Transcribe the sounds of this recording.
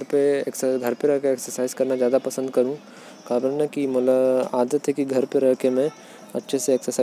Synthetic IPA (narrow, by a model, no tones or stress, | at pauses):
ɾpeeksɡʱɐɾpeɾɐɦkeeːksəɾsaːɪzkɐɾnad͡ʒjaːd̪apɐsə̃nd̪kɐɾũː | kaːbɾənakimʊlaaːd̪ət̪ːekiɡʱɐɾpeɾɐɦkemẽ | ɐtːʃʰeseeːksəɾsaː